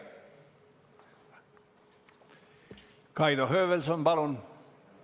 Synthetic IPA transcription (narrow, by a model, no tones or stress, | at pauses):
kɑid̪ohøːʋelsomb̥ɑlon